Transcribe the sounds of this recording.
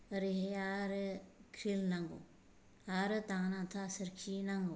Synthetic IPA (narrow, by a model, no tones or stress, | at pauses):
əɾiɦeaɾkʰɾilnaŋɡo̰ | aɾɨt̪ãːnãːt̪ʰasəɾkʰinaŋɡo